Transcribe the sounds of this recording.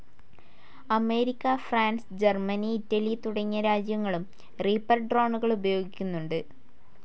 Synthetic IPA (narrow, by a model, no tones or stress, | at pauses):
ɐme̞ːɾikʲːɐfraːnsd͡ʑermɐniːtːɐlijt̪uɽɐɲːɐɾaːd͡ʑjɐŋːɐɭum | riːpːɐrɖro̞ːɳuɣɐɭubɐjo̞ːɡikʲːunːuɳɖɨ